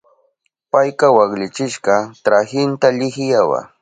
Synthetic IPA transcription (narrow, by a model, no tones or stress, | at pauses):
pajkɑwaklɪt͡ʃɪʃɢɑt̪ɾaxɪnt̪aʎɪxjawa̰